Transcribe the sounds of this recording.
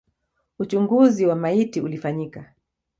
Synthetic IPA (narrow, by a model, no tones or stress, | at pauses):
ut͡ʃuŋɡuziwamaitiulifaɲika